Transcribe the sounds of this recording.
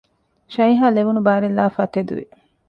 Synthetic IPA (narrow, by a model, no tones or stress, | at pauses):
ʃɐjɦaːleʋunubaːɾelːaːfɐt̪ed̪ṵʋḭ